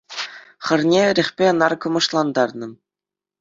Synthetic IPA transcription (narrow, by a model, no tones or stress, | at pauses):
χɤ̆rnʲeɾʲĕχʲpʲeɤ̆nɑrkɤ̆mɤ̆ʂlˠɑnd̪ɑrnɤ̆